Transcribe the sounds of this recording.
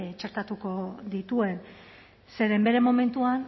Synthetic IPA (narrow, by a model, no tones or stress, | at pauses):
t͡ʃe̞ɾt̪at̪uko̞ðit̪ue̞n | se̞ɾe̞mbe̞ɾe̞mo̞me̞nt̪uan